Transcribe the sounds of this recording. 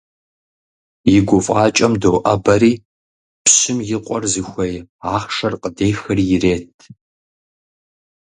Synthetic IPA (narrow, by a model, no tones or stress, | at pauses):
jɪɡʷʊfʼaːt͡ʃʼɐmdowʔɐbɐɾiː | pɕɪmjɪqʷʼɔrzɨxʷɐjaːχʂɐrqʼədeːjxɐrijɪreːtʰ